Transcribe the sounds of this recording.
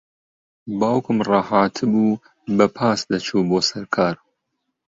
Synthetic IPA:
baːwkɨmrɑːhaːt̪ʰɨbuː | bɐpʰaːsd̪ɐt͡ʃʰuːboːsɐɾkʰaːɾ

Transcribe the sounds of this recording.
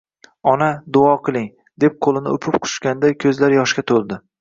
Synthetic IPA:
ɒnad̪ʊɒqʰɨlˠɪŋ | d̪e̞p̚qʰolˠɪnɪ̰ʊpʰɪpqʰʊ̥ʃkʲand̪akʲʰɵzlaɾjɒʃkʲat̪ʰolˠd̪ɪ

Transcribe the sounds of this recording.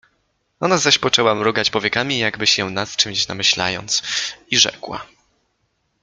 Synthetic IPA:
ɔnazaɕpɔt͡ʂɛwamɾɔɡat͡ɕpɔvʲjɛkamʲijaɡbɘɕjɛnast͡ʂɨmʲɕna̰mɘɕla̰jɔ̰nt̪siʐɛ̰kwa̰

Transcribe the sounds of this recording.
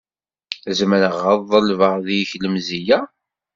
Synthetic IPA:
zməɾəʁəðˤːəlvəʁðijçləmzijæ

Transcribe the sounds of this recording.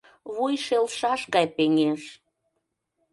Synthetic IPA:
βujʃelʃɑʃkɑjpeŋeʃ

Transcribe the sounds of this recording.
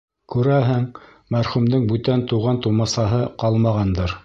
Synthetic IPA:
kʉɾæɦɘŋ | mæɾχumd̪ɤŋbʉt̪ænt̪uʁɑnt̪umɑsɑɦɤqɑlˠmɑʁɑnd̪ɤɾ

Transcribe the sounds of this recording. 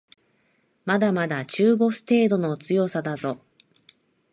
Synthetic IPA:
mad̪amad̪at͡ɕɨːbo̞sɨ̥t̪e̞ːd̪o̞not͡sɨjo̞sad̪azo̞

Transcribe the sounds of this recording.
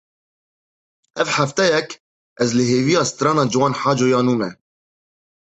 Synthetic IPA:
ʔævħaft̪ɛjɛk | ʔæzlɪɦeːvijɑst̪ɾɑːnɑd͡ʒɪwɑːnħaːd͡ʒojɑːnuːmɛ

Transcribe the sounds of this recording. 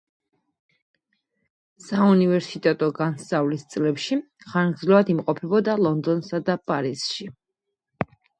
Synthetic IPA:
saunivɛɾsit̪ʼɛt̪ʼɔɡansavlist̪sʼlɛpʃi | χaɾɡd̪zlavad̪imqʼɔpʰɛbɔd̪alˠɔnd̪ɔnsad̪apʼaɾisʃi

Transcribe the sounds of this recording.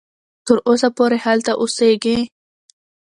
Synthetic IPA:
t̪əɾʔosapoɾehalt̪aʔʊseɡi

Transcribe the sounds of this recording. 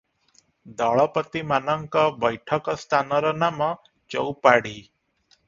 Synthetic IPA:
d̪ɔɭɔpət̪imanʌŋkɔbʌjʈʰʌkɔst̪ʰanʌɾɔnamɔ | t͡ʃɔ̰wpaɽi

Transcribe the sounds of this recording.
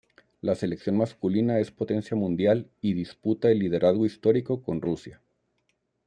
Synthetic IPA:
lase̞leksjo̞nmaskulinae̞spo̞t̪e̞nsjamũnd̪jaliðisput̪aelːið̞e̞ɾʔazɣo̞ist̪o̞ɾiko̞ko̞nrusja

